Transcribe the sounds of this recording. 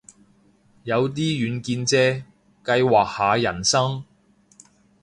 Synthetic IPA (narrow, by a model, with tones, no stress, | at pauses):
jɐ˨˧wt̪̬iː˥jyː˨˧nkiː˧nt͡sɛː˥ | kɐ˧jwaː˨k̚haː˨˧jɐ̰˨˩nsɐ˥ŋ